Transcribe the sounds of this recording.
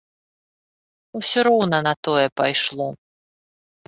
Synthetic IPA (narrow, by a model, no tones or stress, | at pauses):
usʲɔɾɔwnɐnɐt̪ɔjɛpajʂlˠɔ